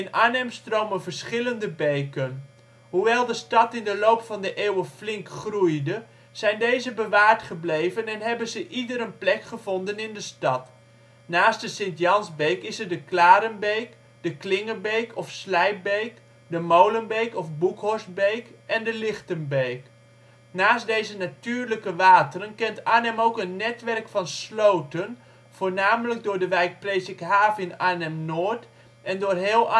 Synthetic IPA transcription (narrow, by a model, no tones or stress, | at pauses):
ɪnaːnɛmstrowmənvəɹsχɪləndəbejkən | ɦuʋɛlˠdəstɑtɪndəlowpfɑndəʔeːwəflɪŋkχrujdə | z̥ɛjndejzəbəʋaːɹtχəblejvənɛnɦɛbənzəʔidəɾənplɛkχəvɔndənɪndəstɑt | naːstdəsɪntjɑnzbejkɪsəɹdəklaːɾənbejk | dəklɪŋəbejkʰɔfslɛjp̚bejk | dəmowlənbejkɔfbukhɔɹsbejkʔɛndəlɪxtənbejk | naːstdejzənatyːrləkəʋaːtərənkɛntaːnɛmowkənːɛtʋɛrkfɑnslowtən | v̥oːrnaːmələk̚dʊːɹdəʋɛjk̚preːsɪkhaːvɪnaːnɛmnoːt | ʔɛndʊːrɦɪlˠ